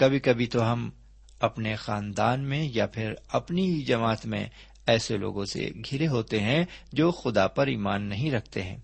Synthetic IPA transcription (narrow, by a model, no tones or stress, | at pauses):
kɐbʱikɐbʱit̪oɦɐm | ɐpnexaːnd̪aːnmẽjapʰɪɾɐpniɦid͡ʒɐmaːt̪mḛ̃ | ɛːselo̰ːɡõsḛɡʱɪɾeɦoːt̪eɦɛ̃d͡ʒoːxʊd̪apɐɾḭːmaːnːɐɦĩɾɐk̚ʰt̪eɦɛ̃ː